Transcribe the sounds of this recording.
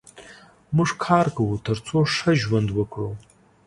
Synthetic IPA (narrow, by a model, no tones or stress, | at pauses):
mɨʂkʰaːrkɨwutʰɐrt͡sʰoʂɐʒwɐndwɐkʷʰʼrow